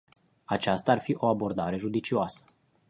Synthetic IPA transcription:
at͡ʃast̪aaːrfiʔo̞abo̞rd̪aɾe̞ʒud̪it͡ʃioasə̥

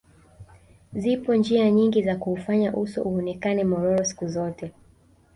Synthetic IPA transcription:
zipɔnd͡ʒiaɲiŋɡizakuːfaɲaʔusɔʔuɔnɛkanɛmɔɾɔɾɔsi̥kuzɔtɛ

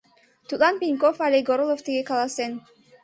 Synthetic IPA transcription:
t̪ulˠɑnpʲinʲkofalʲeɡoɾolˠoft̪iɡekɑlˠɑsen

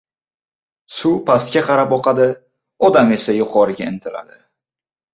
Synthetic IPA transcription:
sʊpʰast̪̚kʲaqʰɑɾapɒqɑd̪ɪ | ɒd̪ame̞sajʊqʰɒɾɪɡʲaɪnt̪ʰɪla̰d̪ɪ

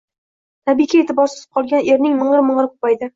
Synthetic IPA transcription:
t̪ʰabikʲaet̪ʰɪbɒɾsɪ̥zɪ̥p̚qʰɒlˠɡʲane̞ɾnɪŋmɨɴɾɪmɨɴɾɪq̚ʰʊ̥pajd̪ɪ

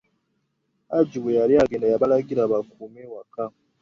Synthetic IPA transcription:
aɟiwejaliaɡeːndajaβalaɡiɾaβakumewaka

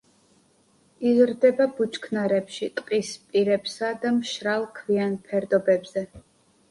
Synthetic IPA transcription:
izɾd̪ɛbabut͡ʃʰʼkʰnaɾɛpʃit̪ʼqʼispʼiɾɛpsad̪amʃɾalˠkʰvianpʰɛɾd̪ɔbɛbz̥ɛ

